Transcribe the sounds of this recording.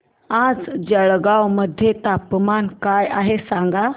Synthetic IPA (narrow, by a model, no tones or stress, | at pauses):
ad͡zd͡ʑəɭɡawməd̪ʱjet̪apmankajaɦesãŋɡa